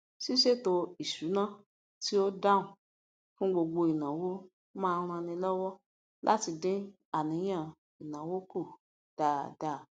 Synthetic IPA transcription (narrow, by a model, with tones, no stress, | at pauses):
si˦ʃe˦to˧i˨su˨˦nã˦ | ti˦o˦da˦ũ˨ | fũ˦ɡ͡bo˧ɡ͡bo˧i˨nã˨wo˦ | mãː˦˧ɾ̃ã˧nĩ˧˦lɔ˦wɔ˦ | lʔa̰˦ti˧dẽ˦ | a˨nĩ˨˦j̃ã˦ | i˨nã˨wo˦ko˦˨ | d̥a˨da˨